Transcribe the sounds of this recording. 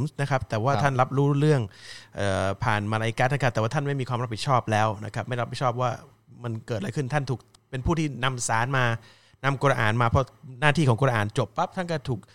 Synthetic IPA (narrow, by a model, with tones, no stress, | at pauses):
msna˦˥kʰa˦˥p̚t̪ɛː˨˩waː˥˩a˥˩nɾa˦˥p̚ɾuː˦˥ɾɯ˥˩əŋʔɤː˨˩pʰaː˨˩nma˧ɾa˧jka˦˥t̪̚na˦˥kʰa˦˥p̚t̪ɛː˨˩waː˥˩t̪ʰnma˥˩jmiː˧kʰwaː˧mɾa˥p̚ʰi˨˩t̪̚t͡ɕʰɔː˥˩p̚lɛː˦˥wna˦˥kʰa˦˥pma˥˩jɾa˦˥p̚i˨˩t͡ɕʰɔː˥˩p̚waː˥˩ | ma˧nkɤː˨˩t̪̚la˧jkʰɯ˥˩nt̪ʰa˥˩nt̪ʰuː˨˩k̚ | pe˧npʰuː˥˩t̪ʰiː˥˩na˧msaː˩˦nmaː˧ | na˧mkɔː˧ɾa˧ʔa̰ː˨˩nmaː˧pʰɾɔ˦˥naː˥˩t̪ʰiː˥˩kɔː˩˦ŋkɔː˧ɾa˧ʔaː˨˩nt͡ɕo˨˩pːa˦˥p̚t̪ʰa˥˩nkɔː˥˩t̪ʰuː˨˩k̚